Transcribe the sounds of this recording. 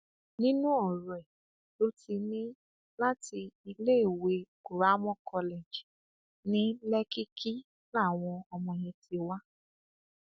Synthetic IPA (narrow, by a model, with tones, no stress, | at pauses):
nĩ˦nũ˦ɔ˦˨ɾɔ˨ɛ˨ | lo˦ti˧nĩ˦ | la˦ti˧i˧le˦e˦˨we˧ku˨ɾa˨˦mɔ̃˦kʰɔ˧le˨d͡ʒ | nĩ˦lɛ˦ki˦kʰi˦ | la˦˨w̃ɔ̃˧ɔ˧mɔ̃˧j̃ĩ˧ti˧wa˦